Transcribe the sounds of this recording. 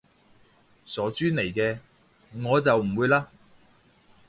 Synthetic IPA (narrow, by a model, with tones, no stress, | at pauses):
sɔː˨˥t͡ʃyː˥ne˨˩jkɛː˧ | ŋɔː˨˧t͡sɐ˨wm̩˨˩wuː˨˧jlaː˧